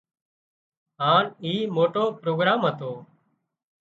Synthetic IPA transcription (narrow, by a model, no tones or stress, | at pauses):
ɦaːniːmoːʈoːpɾoːɡɾaːmɦət̪oː